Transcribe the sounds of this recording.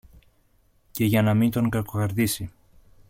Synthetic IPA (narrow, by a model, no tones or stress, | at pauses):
ce̞ʝɐnɐmint̪o̞ŋɡɐko̞ɣɐɾðisi